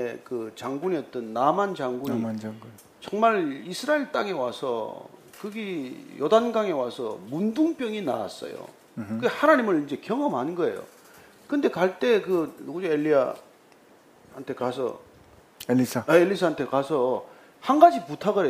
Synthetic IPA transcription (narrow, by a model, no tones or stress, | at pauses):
ekɯt͡ɕaŋɡuɲiʌt͈ʌnːamant͡ɕaŋɡunɲi | t͡ɕʌŋmaɭisʰɯɾaiɭt͈aŋe̞wasʰʌ̰ | kɯɡijʌdanɡaŋe̞wasʰʌmunduŋp͈jʌŋina̰a̰s͈ʌ̰jo̰ | kɯehanaɲimɯɭind͡ʑe̞kjʌŋʌmɦanɯnɡʌe̞̰jo̰ | kɯnde̞kaɭt͈e̞kɯnoɡɯd͡ʑoeʎːia̰ | hantʰe̞kasʰʌ̰ | eisʰaeɭːisʰaɦantʰe̞kasʰʌ | hanɡad͡ʑiputʰaɡɯɾe